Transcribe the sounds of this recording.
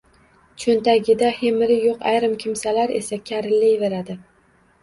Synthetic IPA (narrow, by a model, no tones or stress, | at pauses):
t͡ʃʰont̪aɡʲɪd̪ahemɪɾɪjoqajɾɪmkʲʰɪmsalaɾe̞̰sakʲʰaɾɪlːɪjve̞ɾad̪ɪ